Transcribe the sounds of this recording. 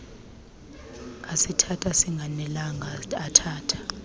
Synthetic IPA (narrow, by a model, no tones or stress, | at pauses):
asitʰatʰʼasiŋɡʱanɛlaŋaatʰaːtʰḁ